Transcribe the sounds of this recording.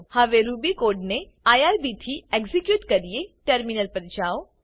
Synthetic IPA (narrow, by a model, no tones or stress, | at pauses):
hɐʋeɾuːbikoːɾɖne | aːjaːɾbit̪ʰieɡzikjuːʈkɐɾieʈəɾminəlpɐɾd͡ʒaːo